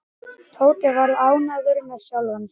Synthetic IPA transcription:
t̪ʰoːwt̪ɪvaɾðaːwnaːðʏɾɪnːaðsjawlvans

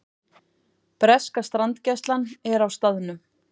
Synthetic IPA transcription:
pɾɛskast̪ɾant̪cɛst̪lanɛɾawst̪aðʏnʏ

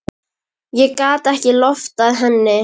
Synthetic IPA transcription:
jɛkaːt̪ɛhcɪlɔft̪aðɦɛnːɪ

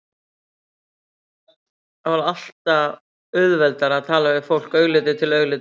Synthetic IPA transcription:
avaɾal̥t̪a | ʏðvɛlt̪aɾaðt̪ʰaːlavɪfowl̥kœɥɣlɪːt̪̬ɪt̪ʰɪlœɥɣlɪːt̪ɪ

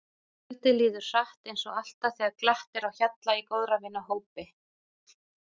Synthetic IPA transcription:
t̪ɪliːðʏɾ̥saht̪ejnsɔɣal̥t̪aθɛːɣaɾklaht̪ɪɾawçat̪laikowðɾavɪnːaɦoːwpɪ

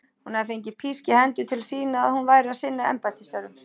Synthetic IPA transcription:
hunaðɪfeɲcɪpʰiscɪhɛnt̪ʏt̪ʰɪlsiːnaa̰ðhunvaːjɾɪasɪnːaɛ̰mpat̪ʰɪst̪œɾʏm

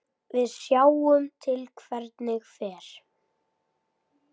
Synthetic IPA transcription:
vɪðsjaːwʏmt̪ʰɪlkʰvɛɾt̪nɪxfɛːɾ̥

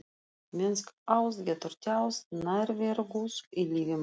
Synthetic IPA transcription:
mʲɪnskɐʊst̪ɡʲɛt̪ʊɾʲt̪ʲɛʊsnɐɾʲʋʲeɾɡusilʲiːʋʲɪm

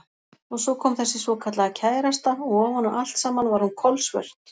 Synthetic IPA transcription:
ɔɣsɔkʰɔːmθɛsːɪsvɔkʰat̪laɣacʰaːjɾast̪aɔɣɔhɔnːʏmʔal̥t̪saːmanvaɾhunkʰɔlsvɛ̰ɾ̥t̪

